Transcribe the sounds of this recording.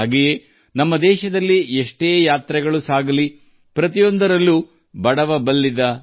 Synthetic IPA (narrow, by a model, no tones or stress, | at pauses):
ɡeje | nɐmːɐd̪ɛːʃɐd̪ɐlːieʂʈeːjaːt̪ɾɛɡɐɭusaːɡɐli | pɾɐt̪ijo̞nd̪ɐɾɐlːu | bɐɽɐʋɐbɐlːid̪ɐ